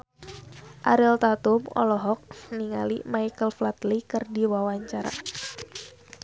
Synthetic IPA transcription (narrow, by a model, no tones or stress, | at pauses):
ʔa̰ɾɛlt̪at̪umɔ̰lɔɦɔk̚niŋa̰limajkəlflat̪likɨrdiwawaɲt͡ʃaɾa̰